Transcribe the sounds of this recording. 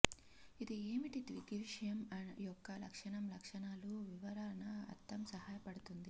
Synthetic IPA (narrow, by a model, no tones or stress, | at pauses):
id̪ieːmiʈit̪ʋḭkiʋiʂɐjɐmɐnjɔkːɐlɐkʂɐɳɐmlɐkʂɐɳaːluʋiʋɐɾaːnɐɐ̰t̪ːɐmsɐɦaːjɐpɐɽut̪und̪i